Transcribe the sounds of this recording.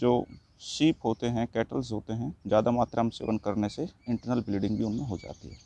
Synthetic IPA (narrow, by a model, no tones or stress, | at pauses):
d͡ʒoː | ʃiːpɦoːt̪eɦɛ̃kɛːʈəlsɦoːt̪eɦɛ̃zjaːd̪amaːt̪ɾaːmsḛːʋənkɐɾneseɪ̃ɳʈəɾnəlbɪliɖɪ̃ŋɡbʱiʊnmẽɦod͡ʒa̰ːt̪ḭɦɛ̰ː